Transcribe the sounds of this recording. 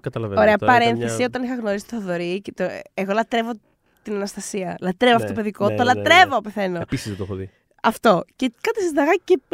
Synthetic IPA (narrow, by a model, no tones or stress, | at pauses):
kɐt̪ɐlɐveoɾeɐpɐɾenθθesio̞t̪ɐnixɐɣno̞ɾisi̥t̪oθoðoɾicet̪oeɣo̞lɐt̪ɾevo | t̪inɐnɐst̪ɐsiɐlɐt̪ɾevoɐft̪ot̪opeðiko̞t̪olɐt̪ɾe̞vope̞θe̞nopisizðet̪oexoðḭ | ɐft̪o̞cekɐt̪isɐzd̪ɐɣɐce